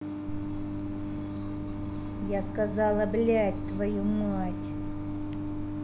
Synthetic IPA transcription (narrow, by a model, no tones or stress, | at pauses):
jaskɐzɑlˠɐblʲætʲt̪vɐjumatʲ